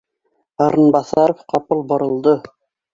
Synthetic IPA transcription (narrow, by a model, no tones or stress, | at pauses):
ɑɾɤ̆nbɑθɑɾofqɑpɤlˠbɤ̆ɾɤ̆lˠd̪ɤ